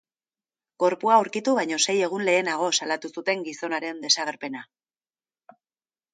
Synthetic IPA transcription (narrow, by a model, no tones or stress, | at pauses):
ɡ̥o̞ɾpuauɾkit̪uβajɲo̞se̞je̞ɣ̞unle̞ːnaɣ̞o̞salat̪usut̪e̞ŋɡiso̞naɾe̞nd̪e̞saɣ̞e̞ɾpe̞na